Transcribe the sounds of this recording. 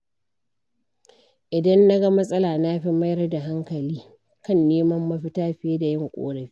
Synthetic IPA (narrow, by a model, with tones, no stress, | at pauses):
ʔɪ˨dɐ˦nːa˦ɡɐ˦mɐ˦sʼɐ˦laː˨naː˦ɸi˦ma˦jɾɐ˦da˨ɦa˦ŋkɐ˨liː˦ | kɐ˦˨nːeː˦mɐ˦mːɐ˦ɸɪ˦taː˦ɸɪ˦je˦da˨jɪ˦ŋkʷʼo̰ː˦ɽɐ˨ɸiː˦